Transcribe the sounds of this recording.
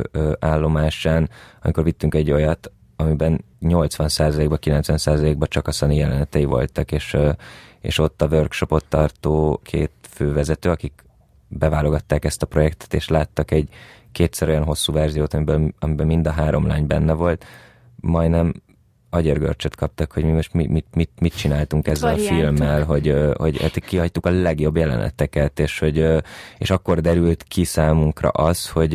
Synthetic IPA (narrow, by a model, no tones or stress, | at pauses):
øʔaːlːo̞maːʃaːnɒmiko̞rvit̪ːyŋkɛɟːo̞jɒt̪ | ɒmibɛn | ɲo̞lt̪sʋɒnsaːzɒleːɡbɒkilɛnsʋɛnsaːzɒleːɡ̚bɒt͡ʃɒkɒsɒnijɛlɛnɛt̪ɛjivo̞̰lt̪ɒkeːʃ | ḛːʃo̞t̪ːɒvørkʃo̞po̞t̪ːɒrt̪oːkʰḛːt̪føːvɛzɛt̪øːɒkik | bɛvaːlo̞ɡɒt̪ːaːkɛst̪ɒpro̞jɛkt̪ɛ̥t̪eːʃlaːt̪ːɒkɛɟ | keːt̪sɛɾo̞jɒnɦo̞sːuːvɛrzijoːt̪ɒmibøːlɒmibɛlmind̪ɒɦaːɾo̞mla̰ːɲbɛnːɛvo̞lt̪ | mɒjnɛm | ɒɟerɡø̰rt͡ʃɛt̪kʰɒp̚t̪ɒkhoɟmimo̞ʃt̪mimimit̪mit̪̚t͡ʃinaːlt̪uŋkɛzːɛlɒfilmːɛlɦo̞ɟho̞̰ɟɛ̰t̪ikiɦɒct̪ukɒlɛɡjo̞bjɛlɛ̰nʔɛ̰t̪ɛkɛt̪eːʃhoɟḛːʃɒkːo̞rd̪ɛɾylt̪kʰisaːmuŋkrɒ̰ʔɒsho̞ɟ